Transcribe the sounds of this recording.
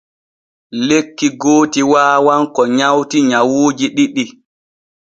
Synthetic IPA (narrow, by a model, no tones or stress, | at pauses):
lekːiɡoːtiwaːwaŋkɔɲawtiɲawuːd͡ʒiɗiɗi